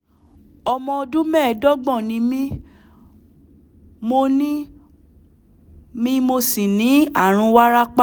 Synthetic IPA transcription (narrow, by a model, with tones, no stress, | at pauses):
ɔ˧mɔ̃˧o˧dũ˦mɛ̃˦˨dɔ˦ɡ͡bɔ̃˦˨nĩ˨˧˦mĩ˦ | mo˧nĩ˦ | mĩ˦mo˧si˨nĩ˨˦a˦˨ɾ̃ũ˧wa˦ɾa˦k͡pa˦